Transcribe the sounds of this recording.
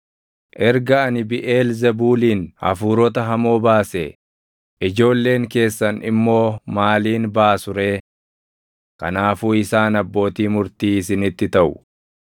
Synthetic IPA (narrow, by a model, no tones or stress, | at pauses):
ʔɛɾɡɐɐnɪbɪʔeːlzɐbuːliːnhɐ̰fuːɾɔt̪ɐɦɐmo̞ːbaːse | ʔɪd͡ʒo̞ːlːe̞ːŋke̞ːsːɐnɪmːo̞ːmaːliːnbaːsʊɾe̞ː | kɐ̰naːfuːɪsaːnɐbːo̞ːt̪iːmʊɾt̪iːɪs̬ɪnɪt̪ːɪt̪ɐʔʊ